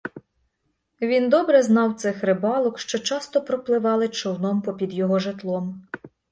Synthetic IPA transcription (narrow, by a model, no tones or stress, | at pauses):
ʋʲind̪ɔbɾɛznɑwt̪sɪxɾɪbɑlˠɔkʃt͡ʃɔt͡ʃɑst̪ɔpɾɔplˠɪʋɑlˠɪt͡ʃɔwnɔmpɔpʲid̪jɔɦɔʒet̪lˠɔm